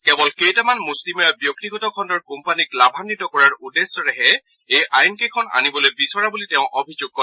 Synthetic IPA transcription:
kɛbɔlkejtamanmuslimɔjabjok̚tiɡɔtɔkʰɔndɔɹkumpaniklabʱanːitɔkɔɹaɹudesɔɹɛɦɛ | ejʔajnkejkʰɔna̰nibɔlojbisɔɹabulitɛʊ̃ʔobʱizʊɡ̚kɔɛ

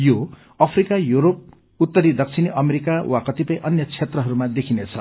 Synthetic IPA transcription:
jo | ʌpʰrikajuɾop̚ | ut̪ːʌɾid̪ʌk̚t͡sʰiniʔʌmeɾikawʔakʌt̪ipʌj̃ʔʌnjʌt͡sʰet̪rʌɦʌɾumad̪ekʰinet͡sʰʌ̰

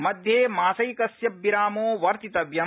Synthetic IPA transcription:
mɐd̪ʱjeːmaːsɐjkɐsjɐbːiɾaːmoːʋɐɾt̪it̪ɐʋjɐ

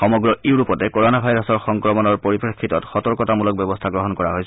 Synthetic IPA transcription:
xɔmɔɡɹɔʔiwɹupɔtɛkoɹɔnabʱajɹasɔɹxɔŋkɹɔmɔnɔɹpoɹipɹekʰːitɔtxɔtɔɹkɔtamulɔk̚bɛbɔstʰaɡɹɔɦɔnkɔɹaɦojs

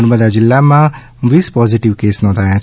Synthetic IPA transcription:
nbəd̪ad͡ʒɪlːamã | ʋiːspɔːziʈɪʋkeːsnɔ̃ːd̪ʱaːjã

